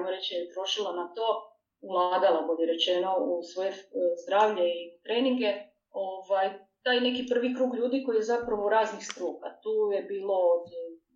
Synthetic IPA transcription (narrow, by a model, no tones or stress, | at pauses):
ajmoɾe̞t͡ʃajet̪ɾo̞ʃilˠanat̪o̞ː | vlˠaːd̪alˠaɡoleɾe̞t͡ɕe̞no̞usʋojezd̪ɾaːʋʎeit̪ɾeːniŋɡe̞ | o̞ʋajt̪aːjne̞kipr̩ʋikɾuːɡʎuːd̪iko̞jijezapɾaʋouɾaːznixst̪ɾuːkat̪uːje̞biːlˠo̞t̪i